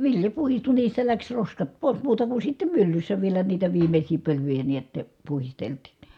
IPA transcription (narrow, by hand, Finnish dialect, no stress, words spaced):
ʋiljɑ puhistu niːstæ læks roskɑt poˑis muːtɑ ku sitːem mylːysːæ ʋielæ niːtæ ʋiːmesʲiː pølyjæ niæt puhistelti̥n̥